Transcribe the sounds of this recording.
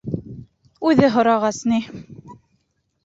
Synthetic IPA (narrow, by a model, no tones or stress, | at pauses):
ʉðɘɦŏɾɑʁɑsni